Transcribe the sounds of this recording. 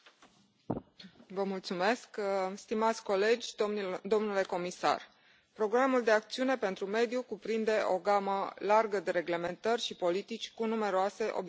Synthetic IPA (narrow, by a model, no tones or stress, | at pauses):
vəmult̪sume̞skst̪imat̪sʲko̞le̞d͡ʒʲd̪o̞mnule̞ko̞misa̰r | pɾo̞ɡɾamuld̪e̞ak̚t̪siune̞pe̞nt̪ɾume̞d̪jukupɾind̪e̞ʔo̞̰ɡaməlarɡəd̪e̞ɾe̞ɡle̞me̞nt̪ərʲʃipo̞lit̪it͡ʃʲkunume̞ɾoase̞ʔo̞̰b